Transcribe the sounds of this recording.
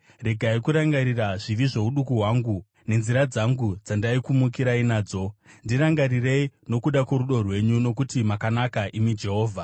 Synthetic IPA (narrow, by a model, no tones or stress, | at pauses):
re̞ɡʱaikuɾaŋɡaɾiraʐiʋiʐe̞uɗukuɦwaŋɡu | ne̞nziɾad͡zaŋɡud͡zandaikumukiɾainaːd͡zo̞ndiɾaŋɡaɾire̞ino̞kuɗakwoɾuɗo̞rwe̞ɲuno̞k̬utimakanakaʔimid͡ʒe̞ɦo̞ːvʱa